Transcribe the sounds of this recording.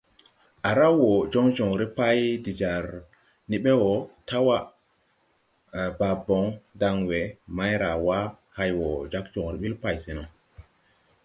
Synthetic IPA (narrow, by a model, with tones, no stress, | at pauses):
ʔa˨ɾa˦wo˨d͡ʒo˦ŋd͡ʒɔ˨ŋɾi˦pa˦jdi˨d͡ʒa˨ɾ | ni˦ɓe˦wɔ˨ta˦wa˦ | ba˨bɔ˨˦ŋda˨ŋwe˨ma˦jɾa˨wa˦ | ha˦jwɔ˨d͡ʒa˦k̚d͡ʒɔ˨ŋɾi˨ɓi˦lpa˨jse˨nɔ˨